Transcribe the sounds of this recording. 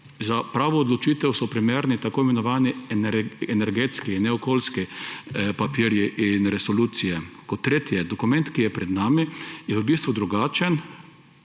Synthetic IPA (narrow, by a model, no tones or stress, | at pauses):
zapɾaːʋɔːd̪lɔt͡ʃiːt̪ɛwsɔpɾimeːɾnit̪akoːimɛnɔʋaːninɛɾɛnɛɾɡeːt̪skinɛɔkoːlski | papiɾjiʔinɾɛsɔluːt̪sijɛkɔt̪ːɾeːt̪ijɛd̪ɔkumɛ̃nt̪kijɛpɾɛd̪naːmijɛʋəbiːst̪ʋud̪ɾuɡaːt͡ʃɛn